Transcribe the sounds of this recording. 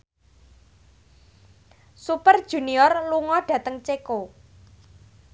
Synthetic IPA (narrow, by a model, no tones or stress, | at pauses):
supərd̥ʒ̥ṳniɔrluŋɔɖ̥ä̤t̪əŋt͡ʃeko